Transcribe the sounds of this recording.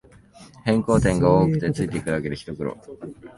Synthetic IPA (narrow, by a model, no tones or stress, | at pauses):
hẽ̞ŋko̞ːt̪ẽ̞ŋɡaoːkɯ̟̥t̪e̞t͡sɨit̪ekɯake̞d̪eçi̥t̪o̞kɯ̟ɾo̰